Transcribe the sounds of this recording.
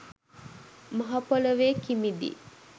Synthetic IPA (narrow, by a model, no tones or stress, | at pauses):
mɐɦɐpoləʋeːkimid̪ḭ